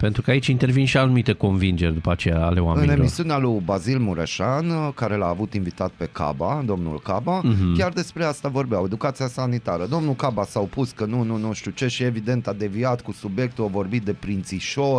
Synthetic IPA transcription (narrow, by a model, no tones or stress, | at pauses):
pe̞nt̪ɾukəait͡ʃint̪e̞rvinʃianumit̪e̞ko̞nvind͡ʒerʲd̪upat͡ʃe̞jaa̰le̞wamɨeneilmḭsiunealujbazilmuɾeʃankaɾe̞laːvut̪invit̪at̪̚pe̞ka̰bad̪o̞mnṵlkabakʲard̪e̞spɾe̞ast̪avo̞rbeawe̞d̪ukat̪sijasanit̪aɾəd̪o̞mnulkabasaopuskənununuʃt̪jut͡ʃe̞ʃie̞vid̪e̞nt̪ad̪e̞viat̪kusubje̞k̚t̪uawvo̞rbit̪̚d̪e̞pɾint̪siʃo̞r